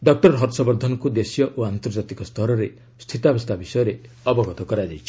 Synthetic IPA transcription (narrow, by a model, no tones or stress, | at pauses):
ɖɔk̚ʈɔɾɾɦɔɾsɔbɔɾd̪ʱɔnɔkud̪esjɔʔoant̪ɔɾd͡ʒat̪ikɔst̪ʰɔɾɔɾe | st̪ʰit̪ɔabɔst̪ʰabisɔjɔɾe | ɔbɔɡʱɔt̪ɔkɔɾajd͡ʒajt͡ʃʰi̥